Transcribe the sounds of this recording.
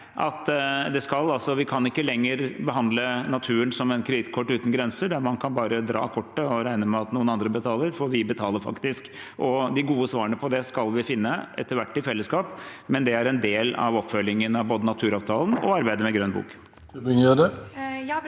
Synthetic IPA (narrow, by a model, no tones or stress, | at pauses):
ʔɑ̰t̪d̪ɛskɑlɑlsɔʋɪkʰɑnɪkːəlɛŋːəɾbəɦɑnd̪lənɑt̪ʰʉːənsɔmɛnkʰɾɛd̪ɪt̪kʰɔʈːʉːt̪n̩ɡɾɛnsəɖæɾmɑnkʰɑnbɑːɾəd̪ɾɑ̰ːkʰɔʈːəɔɾæɪnəmɛɑt̪nuːənɑnd̪ɾəbət̪ʰɑːləɾfɔɾʋɪbət̪ʰɑːləɾfɑ̰kt̪ɪsk | ʔɔd̪ɪɡuːəsʋɑːɾəɳəpʰɔd̪ɛskɑlʋɪfɪnːəʔɛ̰t̪ːəɾʋæʈːɪfɛlːəskɑːpmɛnd̪ɛæɾɛnd̪eːlɑ̰ʋɔpfœlɪŋənɑʋboːd̪ənɑt̪ʰʉːɾɑːʋt̪ʰɑːln̩ɔ̰ɑɾbæɪd̪əmɛɡɾœnbṵːk | d̪ɪŋød̪ɛ